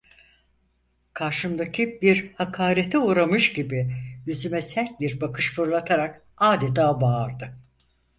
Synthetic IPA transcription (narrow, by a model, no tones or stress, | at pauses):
kʰaɾʃɯmd̪acʰibiɾhakʰaːɾet̪ʰɛuːɾamɯʃɟibɪjyzymɛsɛlʲbiɾbakʰɯʃfuɾlˠat̪ʰaɾak | aːd̪et̪ʰaːbaːɾd̪ɯ